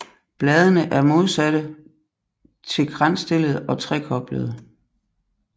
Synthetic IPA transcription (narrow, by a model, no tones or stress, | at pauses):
b̥lɛːðˠənəʔæɐmo̝ð̞ˠsæd̥ə | t͡sʰe̝lɡ̥ʁan̰sd̥e̝lð̞̩ˠɒ̽t͡sʰʁɛ̰ːkʰɒ̽b̥ləð̩ˠ